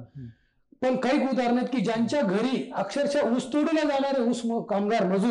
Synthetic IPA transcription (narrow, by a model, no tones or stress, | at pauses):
pəɳkaiːkud̪ʱaɾɳat̪kiːd͡ʑaɲt͡ɕjaɡʱəɾiːəkʂəɾt͡ɕaust̪oɽilad͡zaɽ̃aɾeuskamɡaɾməd͡zu